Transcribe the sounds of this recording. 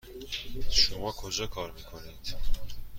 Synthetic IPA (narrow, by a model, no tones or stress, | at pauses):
ʃumɔkʰɔʒɛkʰɑɾmikʰɔnit̪ʰ